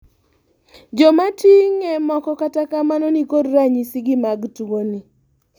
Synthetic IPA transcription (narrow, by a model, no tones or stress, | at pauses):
d͡ʒɔmatiŋɛmɔkɔkatakamanonikodɾaɲisɪɡɪmaɡtuoni